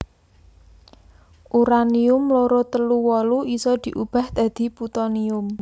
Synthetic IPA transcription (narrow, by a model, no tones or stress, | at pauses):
ʔuɾaniʊmlɔɾɔt̪əluwɔluisɔd̪̥i̤ʔub̥a̤hd̪̥a̤d̪̥i̤put̪ɔniʊm